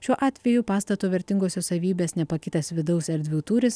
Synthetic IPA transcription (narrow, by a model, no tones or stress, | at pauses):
ʃʲuɔʔɑːt̪ʲʋʲɛjʊpɑːst̪ɐt̪uːʋʲɛɾʲt̪ʲɪŋɡoːsʲoːsɐʋʲiːbʲeːsnʲɛpɐkʲɪt̪ɐsʋʲɪd̪ɐʊsɛɾʲd̪ʲʋʲuːt̪uːɾʲɪs